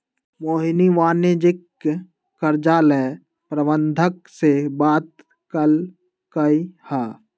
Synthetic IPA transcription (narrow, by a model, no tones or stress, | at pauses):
moːɦniʋaːned͡ʒɪkː | əɾd͡ʒaːlɛ | pɾəbənd̪ʱək̚sebaːt̪̚ | kəl | kəihaː